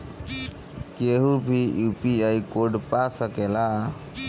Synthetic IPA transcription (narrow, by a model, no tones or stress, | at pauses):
keɦubʱijupiaikoɖpasəkela